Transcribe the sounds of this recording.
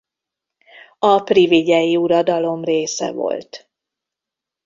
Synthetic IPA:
ɒpriviɟɛjiuɾɒd̪ɒlo̞mreːsɛ̰vo̞̰lt̪

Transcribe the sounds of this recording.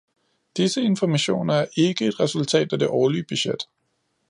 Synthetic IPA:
d̥isəe̝nfɒmæɕo̝̰ːnɐæɐʔe̝ɡ̥əe̝d̥ʁɛsult͡sʰɛ̰ːd̥æd̥e̝ʔɒːliəb̥yɕed̥

